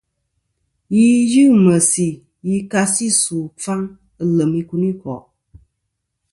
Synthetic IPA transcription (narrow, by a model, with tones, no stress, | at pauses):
ji˦jɨ˦˨mə˨si˨ | ji˧˦ka˧si˦su˨fa˦ŋ | ə˨lə˨mi˧ku˧ni˦kɔ̰˨ʔ